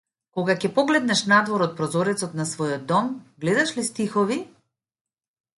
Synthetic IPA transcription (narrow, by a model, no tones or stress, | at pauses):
kɔɡakɛpɔɡlɛd̪nɛʃnad̪vɔɾɔt̪̚pɾɔzɔɾɛt̪sɔt̪nasvɔjɔd̪̚ːɔmɡlɛd̪aʃlist̪ixɔvi